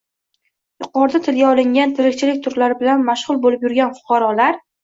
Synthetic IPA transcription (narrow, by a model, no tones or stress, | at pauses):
jʊqɒɾd̪at̪ʰɪlɡʲaɒlˠɪŋɡʲant̪ʰɪɾɪkʲt͡ʃʰɪlɪkʲt̪ʰʊɾlaɾɪbɪlanmaʃʁʊlˠbolɪpjʊɾɡʲanfʊ̥qʰɑɾɒlaɾ